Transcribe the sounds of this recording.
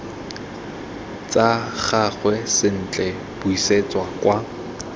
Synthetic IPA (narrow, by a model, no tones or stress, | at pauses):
t͡sʼaχaχwɛsɪn̩t͡ɬʼɛ | b̥ʊiset͡swakwa